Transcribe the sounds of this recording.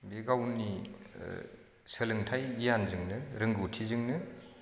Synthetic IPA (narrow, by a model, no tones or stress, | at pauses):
beɡawni | səlɯŋtʰajɡijanzɯŋnɯɾɯŋɡɯwtʰizɯŋnɯ